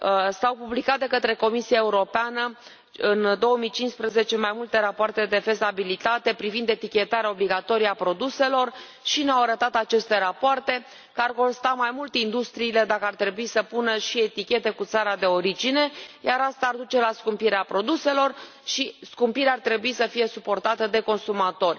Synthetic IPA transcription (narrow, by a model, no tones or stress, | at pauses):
sawpublikat̪̚d̪e̞kət̪ɾe̞ko̞misiae̞uɾo̞peanə | ɨnd̪o̞wəmijt͡ʃinspɾəze̞t͡ʃe̞majmult̪e̞ɾapoart̪e̞d̪e̞fe̞zabilit̪at̪e̞pɾivind̪e̞t̪ikʲe̞t̪aɾeao̞bliɡat̪o̞ɾijapɾo̞d̪use̞lo̞r | ʃineawaɾət̪at̪at͡ʃe̞st̪e̞ɾapoart̪e̞ | kəarko̞nst̪amajmult̪eind̪ust̪ɾiːle̞d̪akəart̪ɾe̞buisəpunəʃie̞t̪ikʲe̞t̪e̞kut̪saɾad̪e̞o̞ɾid͡ʒine̞jaɾast̪aːrd̪ut͡ʃe̞laskumpiɾeapɾo̞d̪use̞lo̞r | ʃiskumpiɾeart̪ɾe̞buisəfije̞supo̞rt̪at̪əd̪e̞ko̞nsumat̪o̞rʲ